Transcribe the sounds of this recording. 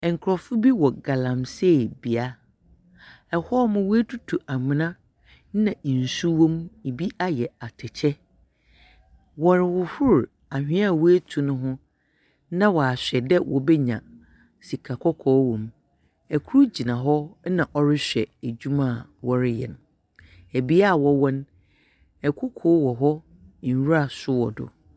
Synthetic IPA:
ɛ̃˨ŋ˨kʰɾɔ˨fʊ˦bi˦wɔ˨ɡa˨lã˨mse˦˨bi˨a˦ | ɛ˨hɔ˦mʊ̃˦we˦tʰu˦tʰu˨ʔa˨mɪ̃˨nã˦ | nã˨n̩˨su˦wɔ̃˦mi˨bi˦a˦jɛ˨a˨tʰɪ˨t͡ɕʰɛ˦ | wɔ˨ɾɪ˨wʊ˨hʊ˦ɾ | a˨hᶣɪ̃˦a˦˨wu˦e˦tʰũ˨nʊ̃˦ɦʊ̃˦ | nã˦wa˨a˨ɕᶣɛ˨dɛ˦wʔɔ̰˨bɛ˦ɲã̰˨ | si˨kʰa˨kʰɔ˦kʰɔː˦wɔ̃˨m | ɛ˨kʰu˦ɾu˦d͡ʑi˨nã˨ɦɔ˦nã˨ʔɔ˦ɾɪ˦ɕᶣɛ˨æ˨d͡ʑᶣu˦mã˦˨wɔ˨ɾɪ˦jɛ̰˨n˨ | æ˨bi˦a˦˨wɔ˨wɔ̃˦n | ɛ˨kʰʊ˦kʰʊ˦wɔ˨ɦɔ˦˨ | wɾa˦˨sʊ˦wɔ˨dʊ̰˨

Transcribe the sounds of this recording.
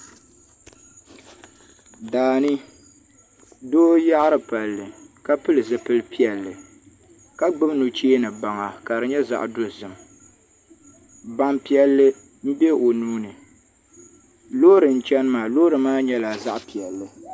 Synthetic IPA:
daː˨nɨ˦ | doː˦ja˦ʔɾɨ˨pa˨lːɨ˨ka˦pɨ˦lɨ˨zɨ˨pɨ˦lɨ˦pi˦ɛ˨lːɨ˨ | ka˦ɡ͡bɨ˦bnʊ˨t͡ʃeː˦nɨ˨ba˨ŋa˨ka˨ɾɨ˨ɲɛ˦za̰˦ʔdo˦zɨ˨m | ba˦mpi˦ɛ˦lːɨ˦ | m̩˦bɛ˦o˨nuː˦nɨ˨ | loː˦ɾɨ˨n̩˦t͡ʃɛ˦nɨ˦maː˨lo˦ɾɨ˨maː˦ɲɛ˦la˨za˦ʔpi˨ɛ˨lːɨ˨

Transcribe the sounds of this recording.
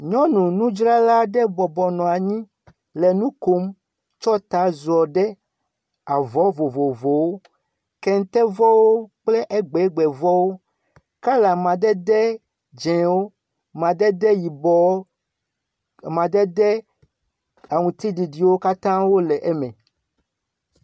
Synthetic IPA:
ɲɔ̃˦nũ˨nũ˦d͡ʒɾa˦la˦ɖɛ˦bɔ˨bɔ˨nɔ̃˨a˨ɲĩ˦ | lɛ˨nũ˦ko˦m | t͡ʃɔ˦t̪a˨˦zɔ˨ɖɛ˦ | a˨vɔ˦vo˨vo˨vo˨wo˦ | kɛ˨ŋ˦t̪ɛ˦vɔ˦wo˦k͡plɛ˦ʔɛ˦ɡ͡bɛ˨˦ɡ͡bɛ˨vɔ˦wo˦ | ka˦la˨mã˨d̪ɛ˦d̪ɛ˦ | d͡ʒɛ̃˨wo˦ | mã˨d̪ɛ˦d̪ɛ˦ji˨bɔ˨˦˨ | mã˨d̪ɛ˦dɛ˦ | a˨ŋũ˨t̪i˦ɖi˨ɖi˨wo˦ka˦t̪ã˦wo˦lɛ˨ʔɛ˦mɛ̃˨

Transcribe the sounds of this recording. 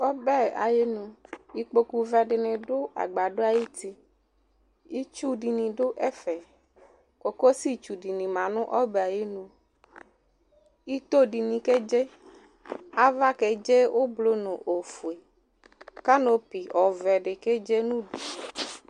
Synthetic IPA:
ɔ˦bɛ˦a̰˨je˦nũ˨i˦k͡po˨ku˨vɛ˨ɖɪ˨nɪ̃˨ɖʊ˦a̰˨ɡ͡ba˨ɖo˦a˨ji˦t̪i˦ | i˦t͡ʃu˦ɖi˨nĩ˨ɖʊ˦ʔɛ˦fɛ˨ | ko˨ko˦si˦t͡ʃu˨di˨nĩ˨mã˨nʊ̃˦ʔɔ˦bɛ˨a˨je˦nũ˨ | i˦t̪o˦ɖi˨nĩ˨ke˦d͡ʒe˦ | a˦va˦kɛ˨d͡ʒe˦wo˦blo˦nʊ̃˨ʔo˨fu˨e˨ | ka˦no˦pi˨ɔ˨vɛ˨ɖɪ˨ke˦d͡ʒe˦nũ˦ɖi˨

